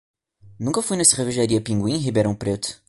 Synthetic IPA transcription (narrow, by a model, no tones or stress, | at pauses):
nũkɐfujnɐseʁeviʒaɾiɐpĩŋɡwĩɦibeɾɐ̃w̃pɾet̪ʊ̥